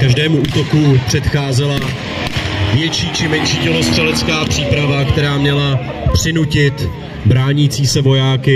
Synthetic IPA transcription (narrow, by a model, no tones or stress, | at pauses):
kaʒdɛːmuʔuːt̪o̞kupr̝̥ɛt̪xaːzɛla | vjɛt͡ʃiːt͡ʃɪmɛɲʃiːjɛlo̞st̪r̥ɛlɛt͡skaːpr̝̥iːpɾavakt̪ɛɾaːmɲɛla | pr̥ɪnucɪt̪ | bɾaːɲit͡siːsɛvo̞jaːkɪ